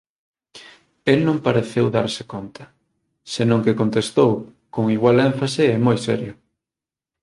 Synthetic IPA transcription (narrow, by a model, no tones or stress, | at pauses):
elnõŋpaɾeθɛwðaɾsɪ̥kont̪ʰɐ̥ | senõŋkekont̪est̪ow | koŋiɣwalɛɱfasɪɛmojsɛɾjʊ